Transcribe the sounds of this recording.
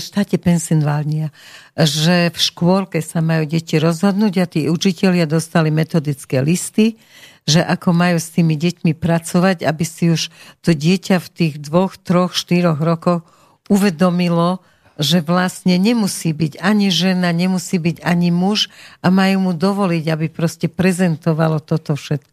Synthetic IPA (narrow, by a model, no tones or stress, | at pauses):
ʃt̪aːcɛpɛnsinʋalɲiaʒɛfʃkʊɔlkɛsamajuːɟɛciɾɔzɦɔd̪nuːɟat̪iːut͡ʃicɛʎɪad̪ɔst̪alimɛt̪ɔd̪it͡skɛlist̪i | ʒɛʔakɔmajuːst̪iːmiɟɛcmipɾat͡sɔʋaɟabisiuʃt̪ɔɟɪɛcaft̪iːɣd̪ʋɔxt̪ɾɔxʃt̪iɾɔɣɾɔkɔx | uʋɛd̪ɔmilɔ | ʒɛʋlasɲɛɲɛmusiːbiɟaɲiʒɛnaɲɛmusiːbiɟaɲimuʒamajuːmud̪ɔʋɔliɟabipɾɔscɛpɾɛzɛnt̪ɔʋalɔt̪ɔt̪ɔfʃɛt̪̚kɔ